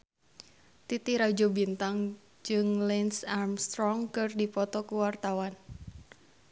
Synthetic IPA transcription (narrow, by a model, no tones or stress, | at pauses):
t̪it̪iɾad͡ʒɔbint̪aŋ | d͡ʒɨŋlɛnsarmst̪ɾɔŋkɨrdipɔt̪ɔkuwart̪awan